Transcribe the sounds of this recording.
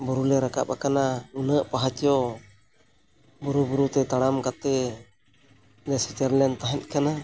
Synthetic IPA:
buɾulɛɾaka̰p̚a̰kanaunəʔpaɦat͡ʃjɔ | buɾubuɾut̪ɛt̪aɽamkat̪ɛ | lɛsit̪əɾlɛnt̪aɦɛt̪̚ˀkana

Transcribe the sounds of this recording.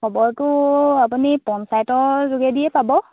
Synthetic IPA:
ɔbɔɹtʊap̬unipɔnsajtɔɹzuɡɛdijɛpabɔ

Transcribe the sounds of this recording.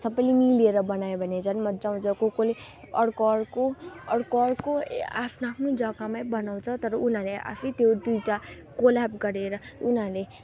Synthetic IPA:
sʌpʌjlemileɾʌbʌnajobʱʌnet͡sʰʌnmʌd͡zaũt͡sʰʌkokole | ʌɽkoɽkoʌɽkɔɽkoa̰pʰnoapʰnod͡zʌkamajbʌnaw̃t͡sʰʌt̪ʌɾʌunɦãleʔa̰sʰit̪jod̪ujʈa | kolabɡʌɾeɾʌunãle

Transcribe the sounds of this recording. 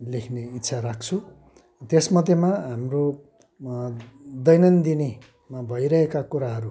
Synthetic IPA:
lekʰneit̪ːsʰaɾak̚t͡sʰu | t̪esmʌd̪ʱjemaɦamro | d̪ʌjnʌnd̪ine | mabʱʌjɾʌɦekakuɾaɦʌɾu

